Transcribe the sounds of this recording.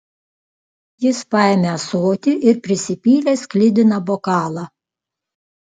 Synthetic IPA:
jɪspɑˑɛmʲɛɐsoːt̪ʲɪʔɪɾpʲɾʲɪsʲɪpʲiːlʲesklʲɪd̪ʲɪnɐbɔkɑːlˠɑ

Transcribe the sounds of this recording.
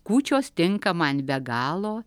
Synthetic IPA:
kuːt͡ʃʲoːst̪ʲɪŋkɐmɑːnʲbʲɛɡɑːlˠoː

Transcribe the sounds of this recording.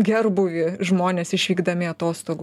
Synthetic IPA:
ɡʲɛrbʊʋʲɪʒmoːnʲeːsɪʃʲʋʲiːɡd̪ɐmʲɪɐt̪oːst̪oːɡ

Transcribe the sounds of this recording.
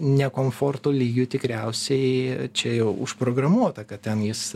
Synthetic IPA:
nʲɛkoːmfoːrt̪oːlʲiːɡʲʊt̪ʲɪkɾʲɛʊsʲɛɪt͡ʃʲɛjɛʊʊʃpɾoːɡɾɐmuɔt̪ɐkɐt̪tʲɛnjɪs

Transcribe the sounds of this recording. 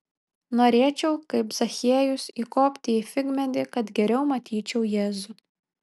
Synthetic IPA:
noːɾʲeːt͡ʃʲɛʊkɐɪpz̥ɐxʲiɛjʊsiːkoːpʲt̪ʲɪifʲɪɡʲmʲɛd̪ʲɪkɐt̪ɡʲɛɾʲɛʊmɐt̪ʲʰiːt͡ʃʲɛʊjeːzʊ

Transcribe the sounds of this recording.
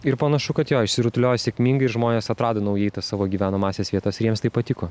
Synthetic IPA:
ɪɾpɐnɐʃʊkɐt̪joːɪʃʲsʲɪɾʊt̪ʊlʲoːjɛsʲɛkʲmʲiːŋɡɐɪɪɾʒmoːnʲeːsɐt̪ɾɑːd̪ɐnɐʊjɛɪt̪ɐssɑːʋoːɡʲiːʋʲæːnɐmɑːsʲeːsʋʲiɛt̪ɐsɪɾjiɛmst̪ɐɪpɐt̪ʲɪkoː

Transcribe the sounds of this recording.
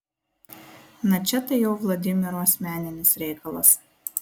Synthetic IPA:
nɐt͡ʃʲɛt̪ɐjɛʊʋlˠɐd̪ʲɪmʲɪɾoɐsʲmʲæːnʲɪnʲɪsɾʲɛɪkɐlˠɐs

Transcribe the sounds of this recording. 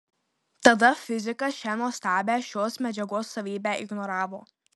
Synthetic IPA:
t̪ɐd̪ɐfʲɪzʲɪkɐʃʲɛnuɔsʲt̪ʲæːbʲæːʃʲoːsmʲɛd͡ʒʲɛɡoːsːɐʋʲiːbʲæːʔɪɡnɔɾɑːʋoː

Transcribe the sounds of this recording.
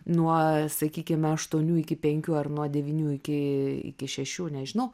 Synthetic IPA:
nuɔsɐkʲiːkʲɪmɐʃt̪uɔnʲuːɪkʲɪpʲɛŋʲkʲuːɐrnuɔd̪ʲɛʋʲiːnʲuːɪkʲɪɪ̰kʲɪʃʲɛʃʲuːnʲɛʒʲɪnɐʊ

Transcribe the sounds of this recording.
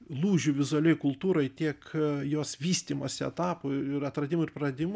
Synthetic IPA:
lˠuːʒʲʊʋʲɪzʊɐlʲɛjkʊlˠt̪uːɾɐɪt̪ʲiɛkjoːsʋʲiːsʲt̪ʲiːmoːsʲɪɛ̰t̪ɑːpoɪɾɐt̪ɾɐd̪ʲɪmʊɪɾpɾɐd̪ʲɪm

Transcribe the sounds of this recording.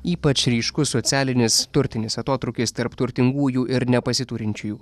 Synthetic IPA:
iːpɐt͡ʃɾʲiːʃkʊsoːt̪sʲæːlʲɪnʲɪst̪ʊɾʲt̪ʲɪnʲɪsɐt̪oːt̪ɾʊkʲɪst̪ɐɾpt̪ʊɾʲt̪ʲɪŋɡuːjuːʔɪɾnʲɛpɐsʲɪt̪uːɾʲɪnʲt͡ʃʲuːjuː

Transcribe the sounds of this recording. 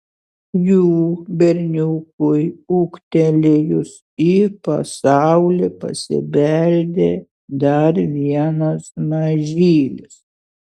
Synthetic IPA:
juːbʲɛɾʲnʲuːkʊjukt̪ʲɛlʲeːjʊs | iːpɐ̰sɑʊlʲepɐ̰sʲɪ̰bʲɛlʲd̪ʲeː | d̪ɐɾʋʲiɛnɐsmɐʒʲiːlʲɪs

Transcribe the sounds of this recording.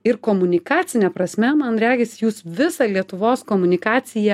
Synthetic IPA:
ɪɾkoːmʊnʲɪkɑːt̪sʲɪnʲɛpɾɐsʲmʲɛmɐnɾʲæːɡʲɛsʲjuːsʋʲɪsɑlʲiɛt̪ʊʋoːskoːmʊnʲɪkɑːt̪sʲɪjɛ

